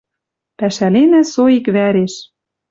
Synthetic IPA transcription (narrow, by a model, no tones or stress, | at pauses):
pæʃælenæsoikβæɾeʃ